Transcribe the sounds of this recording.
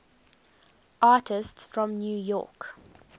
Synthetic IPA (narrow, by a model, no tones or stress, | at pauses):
ʔɑːˑtʰɪstsfɹɔ̃mnjuːjɔ̰ːˑk